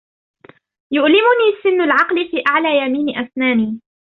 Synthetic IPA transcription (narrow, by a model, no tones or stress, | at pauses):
jʊʔlɪmʊniːsɪnːʊlʕɑqlɪfiːʔaʕlaːjamiːnɪʔasnaːniː